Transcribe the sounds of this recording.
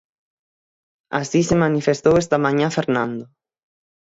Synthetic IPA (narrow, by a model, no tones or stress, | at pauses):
a̰sisemanifest̪owɛst̪amãɲãfeɾnãnd̪o